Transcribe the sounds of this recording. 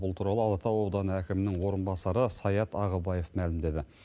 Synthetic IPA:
bʊlˠt̪ʰuɾɑlˠəɑlˠɑt̪ɑwod̪ɑnəækʲɪmɪnɪŋwo̞ɾənbɑsɑɾəsɑjɑt̪ɑʁəbɑje̞fmælɪmd̪e̞d̪ɪ

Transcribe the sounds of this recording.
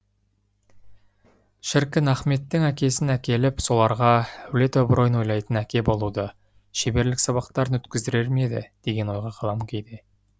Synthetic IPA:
ʃɪɾkʲɪnæχme̞t̪ːɪŋækʲe̞sɪnækʲe̞lɪpso̞lˠɑɾʁɑæwle̞t̪ɵbɾo̞jənwo̞jlˠɑjt̪ənækʲe̞bo̞lˠud̪ə | ʃebe̞ɾlɪksɑβɑqt̪ɑɾənwɵt̪kʲɪzd̪ɪɾe̞ɾme̞d̪ɪ̰d̪̥e̞ɡʲe̞nwo̞jʁɑqʰɑlˠɑmkʲʰe̞jd̪e

